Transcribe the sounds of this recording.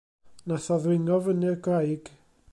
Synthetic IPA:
naθɔðwɪŋɔvənɪrɡrajɡ̥

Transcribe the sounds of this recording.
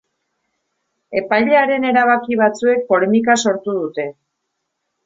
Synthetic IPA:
e̞pajʎe̞aɾe̞ne̞ɾaβ̞akiβ̞at͡sue̞k̚po̞le̞mikaso̞ɾt̪uðut̪e̞

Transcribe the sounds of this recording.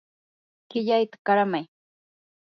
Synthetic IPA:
kɪʎajt̪ḁkaɾamaj

